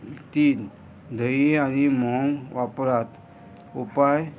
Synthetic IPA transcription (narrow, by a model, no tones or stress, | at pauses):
t̪iːn | d̪ʱəianimɔŋʋapɾat̪ | upaj